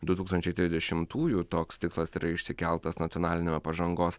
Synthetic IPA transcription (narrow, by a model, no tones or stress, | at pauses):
d̪ʊt̪uːkst̪ɐnʲt͡ʃʲɛɪt̪ʲɾʲɪzdʲɛʃʲɪmt̪ʰuːjuːt̪oːkst̪ʲɪkslˠɐsiːɾɐɪʃʲsʲɪkʲɛlˠt̪ɐsnɐt̪ʲiɔnɑːlʲɪnʲeːmʲɛpɐʒɐŋɡoːs